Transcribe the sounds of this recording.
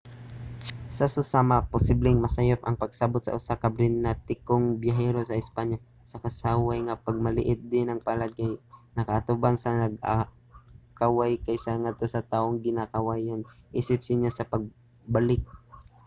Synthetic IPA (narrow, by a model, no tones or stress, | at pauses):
sasosaːmapʊsiblɪŋmɐsɐjopʔɐŋpɐɡsabot̪sɐ̰ʔʊsakabɾɪnːat̪ɪkoŋbjaɦɛɾo̞sɐʔɪspaɲja | sɐkɐsawajŋapɐɡ̚mɐlɪ̰ʔɪt̪̚d̪ɪnɐŋpɐlaɡajnɐkɐʔːt̪ʊbaŋsɐnɐɡa | kawajkajsaŋad̪̚t̪o̞sɐt̪aːʔoŋɡɪnakɐwajanʔiːsɪp̚sɪnasɐpɐɡ̚ | balɪk̚